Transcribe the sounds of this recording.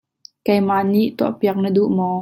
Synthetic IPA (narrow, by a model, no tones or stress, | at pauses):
kɛjmaʔniʔt̪uaəpiɐk̚nəduʔmɔː